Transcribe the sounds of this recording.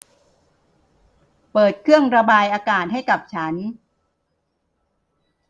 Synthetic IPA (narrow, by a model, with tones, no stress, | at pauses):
pɤː˨˩t̪̚kʰɯ˥˩əŋɾa˧baː˧jʔaː˧kaː˨˩t̪̚ɦa˥˩jka˨˩p̚t͡ɕʰaː˦˥ni˦˥